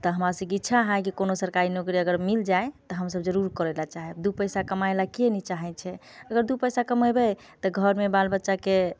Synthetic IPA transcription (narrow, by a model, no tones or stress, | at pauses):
t̪ɔɦəmɾasəbkitːʃʰaɦãkikonosəɾkaɾinokɾiəɡəɾmild͡ʒaet̪ɔɦəmsəbd͡ʒəɾuɾkəɾɛlat͡ʃaɦɛd̪upəjsakəmajlakenit͡ʃaɦɛt͡ʃʰɛ | əɡəɾd̪upəjsakəməjbɛ | t̪ɔɡʱəɾmebalbətːʃake